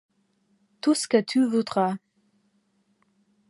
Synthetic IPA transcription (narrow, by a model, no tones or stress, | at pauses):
t̪usə̥kət̪ʰyvud̪ʁa